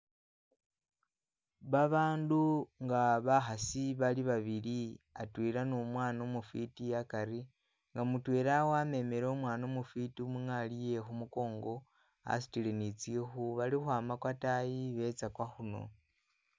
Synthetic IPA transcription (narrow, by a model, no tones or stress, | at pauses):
βaβaːnduŋɡaβaxasiβaliβaβiliatwiɾanomwaːnomufitijakaɾi | ŋɡamutweːɾawame̞meɾeomwaːnomufitimuŋalije̞xumuko̞ːŋɡo̞ | a̰s̬i̥tilenit͡siexuβalixwaːmakwatajiβe̞t͡sakwaxuno̞̰